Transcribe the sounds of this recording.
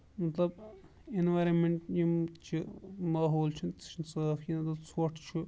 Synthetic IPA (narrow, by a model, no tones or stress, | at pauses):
mɐt̪lɐb | inʋajɾɐnmeɳʈjit͡ʃʰimaːɦoːlt͡ʃʰunt̪t͡ʃʰinsəːfkinɐt̪ɐt͡sʰoʈʰt͡ʃʰu